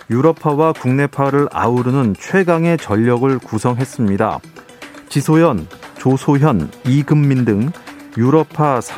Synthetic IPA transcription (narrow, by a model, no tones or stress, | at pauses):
juɾʌpʰawakuŋne̞pʰaɾɯɾa̰uɾunɯnt͡ɕʰwe̞ɡaŋe̞t͡ɕʌʎːʌɡɯɭkusʰʌŋɦe̞s͈ɯmɲida̰ | t͡ɕisʰojʌnt͡ɕosʰojʌniɡɯmːindɯŋ | juɾʌpʰasʰ